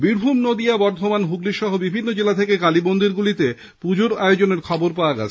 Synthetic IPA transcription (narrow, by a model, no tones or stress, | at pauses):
biɾbʱumnod̪iabɔɾd̪ʱomanɦuɡliʃɔɦobibʱinːod͡ʑelat̪ʰekekalibond̪ʱiɾɡulit̪e | pud͡ʑoɾaeod͡ʑoneɾkʰɔboɾpaoaɡa̰t͡ɕʰe